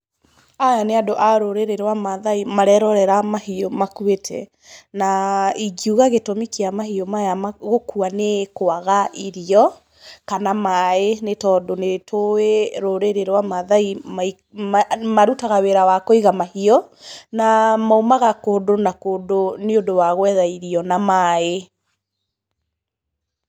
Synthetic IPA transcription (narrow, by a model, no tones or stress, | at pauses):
ajaneadoʔaɾoɾeɾeɾwamaðaimaɾɛɾɔɾɛɾamaɦiomakuetʰɛ̰ | naiɡiuɣaɣetomikiamaɦiɔmajamaɣokuanekoaɣaʔiɾiɔ | kanamaenetɔdonetʰoeɾoɾeɾeɾwamaðaimai | amaɾutaɣaweɾawakɔiɣamahiɔnamaomaɣakoːdonakoːdoneodowaɣwɛðaiɾiɔnamae